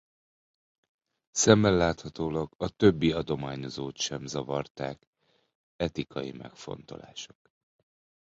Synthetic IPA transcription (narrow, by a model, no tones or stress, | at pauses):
sɛmːɛlːaːt̪hɒt̪oːlɒɡɒt̪ø̞bːiɒd̪o̞maːɲo̞zoːt̪ʃɛmzɒvɒrt̪aːk | ɛt̪ikɒjḭmɛ̰kfo̞̰nt̪o̞̰la̰ːʃo̞̥k